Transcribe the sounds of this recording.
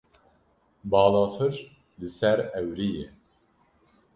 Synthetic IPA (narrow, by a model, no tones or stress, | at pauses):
bɑːlɑːfɨɾ | lɨsɛɾɛwɾijɛ